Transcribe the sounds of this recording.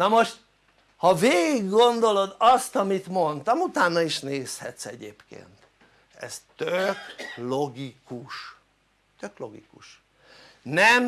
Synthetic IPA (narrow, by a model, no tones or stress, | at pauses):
nɒmo̞ʃt̪ | hɒveːɡiɡːo̞nd̪o̞lo̞d̪ɒst̪ɒmit̪mo̞nt̪ɒmut̪aːnːɒiʃneːshɛ̰t̪sɛɟeːpkḛːnt̪ | ɛ̰st̪øklo̞ɡikuʃ | t̪øklo̞ɡḭkuʃ | nɛm